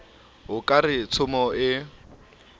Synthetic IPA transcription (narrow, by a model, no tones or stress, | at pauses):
ɦʊkʼarɪt͡sʰʊmɔɪ